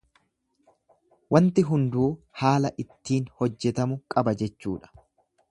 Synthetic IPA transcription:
wɐnt̪ɪɦʊnd̪uːhaːlɐʔɪt̪ːiːnhɔd͡ʒːɛt̪ɐmʊkʼɐbɐd͡ʒɛt͡ʃːuːᶑɐ̥

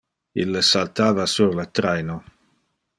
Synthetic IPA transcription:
ilːəsalt̪aːvasuɾlət̪ɾɛjno

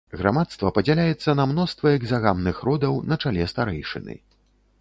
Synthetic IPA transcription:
ɣɾa̰mat̪st̪vɐpɐd͡zʲɛlʲajɛt̪sːɐnɐmnɔst̪vɐɛɡzaɣamnɨxɾɔd̪ɐwnɐt͡ʂalʲɛst̪aɾɛjʂɨ̰nɨ̰

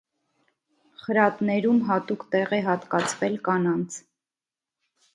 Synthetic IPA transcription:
χəɾɑt̪nɛɾumɦɑt̪ukt̪ɛʁɛɦɑt̪kɑt͡sʰvɛlkɑnɑnt͡sʰ

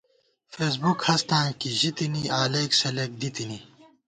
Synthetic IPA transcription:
feːs̬bukhɐst̪ãːkiʑit̪iniaːleːksɐlek̚d̪it̪ini

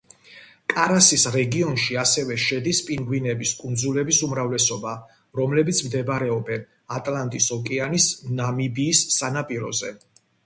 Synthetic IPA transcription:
kʼaɾasisɾɛɡiɔnʃiasɛvɛʃɛd̪ispʼiŋɡwinɛbiskʼund̪zulɛbisumɾavlɛsɔba | ɾɔmlɛbit̪sʰmd̪ɛbɾɛɔbɛn | at̪ʼlant̪ʼisɔkʼɛanisnamibiːsːanapʼiɾɔ̰zɛ̰

